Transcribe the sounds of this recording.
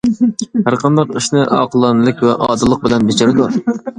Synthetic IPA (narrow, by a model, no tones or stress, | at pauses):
hæɾqʰɑnd̪ɑqiʃnɨʔɑ̰ːqʰəlˠɑnɨlˠɪkʲwɛʔɑːd̪ɨlˠəq̚bɪlɛnbet͡ʃʰɪɾɨd̪u